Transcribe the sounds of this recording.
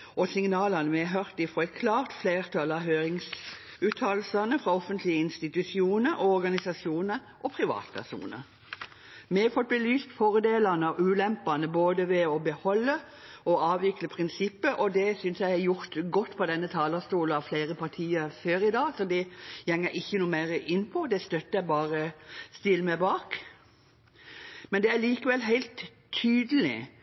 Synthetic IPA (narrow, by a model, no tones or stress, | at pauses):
ʔɔsɪŋnɑːlɑnəmɛɦœɾt̪ɪfɾɔɛkʰlɑːʁt̪fleːʁt̪ʰɑlɑɦøːɾɪŋs | ʉːt̪ʰːɑːllsɑnəfʁɑɔfənt̪lɪəɪnst̪ɪt̪ʉsɪuːnəɾɔɔɾɡɑnɪsɑsjuːnə | ʔɔpʰɾɪʋɑ̰ːt̪pʰæ̰ʁʂṵːnə̰ɾ | mɛɑfɔt̪̚bəlyːst̪fɔɾəd̪eːlɑnəɑʉːlɛmpɑnəboːd̪əʋɛɔbəhɔlːə | ɔɑːʋɪkləpʰʁɪnsɪpːəʔɔd̪ɛsʏnsjæɪhɑjʊɾt̪ɡɔt̪ːpʰɔd̪ɛnːət̪ʰɑːləst̪uːlɑʋfleɪɾəpʰɑɾt̪ʰiːəɾføːɾɪd̪ɑːsɔd̪ɛjɛŋːəɾʔɪçːənuːmæɪɾəʔɪnːpʰɔd̪ɛst̪œt̪ːəjæɪbɑːɾəst̪ɪlːmɛbɑːk | mɛnd̪ɛæɾliːkəʋɛlɦæɪlt̪ʰː | yːd̪əl̩ɪ̰